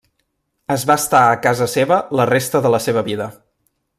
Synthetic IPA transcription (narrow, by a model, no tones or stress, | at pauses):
əzβast̪aəkazəseβələrest̪əðələseβ̞əβiðə